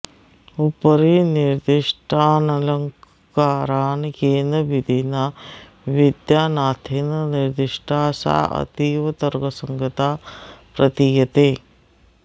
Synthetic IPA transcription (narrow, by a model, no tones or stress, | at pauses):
upɐɾiniɾd̪iʂʈʰaːnɐlɐŋk | kaːɾaːnkeːnɐʋid̪ʱinɐ | ʋid̪jaːnaːt̪ʰeːnniɾd̪iʂʈʰaːsa̰ːʔɐ̰t̪iːʋɐt̪ɐɾɡɐsɐŋɡɐt̪aːpɾɐt̪ijɐt̪eː